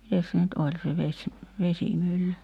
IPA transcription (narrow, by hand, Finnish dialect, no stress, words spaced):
mites se nyt olʲ se ʋesʲ ʋesimylːy